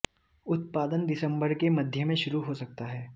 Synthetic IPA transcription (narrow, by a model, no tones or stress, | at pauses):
ʊt̪̚paːd̪ənd̪ɪsə̃mbəɾkemɐd̪ʱjəmẽʃʊɾuɦosɐk̚t̪aɦɛː